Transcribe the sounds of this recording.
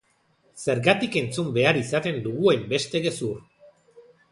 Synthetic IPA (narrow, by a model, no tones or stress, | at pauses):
se̞ɾɣat̪ike̞nt͡sumbe̞aɾisat̪e̞nd̪uɣue̞mbe̞st̪eɣe̞sur